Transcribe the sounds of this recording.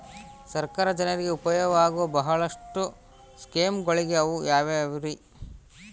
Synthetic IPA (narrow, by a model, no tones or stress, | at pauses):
sɐɾkaːɾɐd͡ʒɐnɐɾiɡeupɐjɐʋaːɡuʋɐbɐɦɐɭɐʂʈu | skeːmɡoɭiɡeɐʋujaːʋeɐʋɾi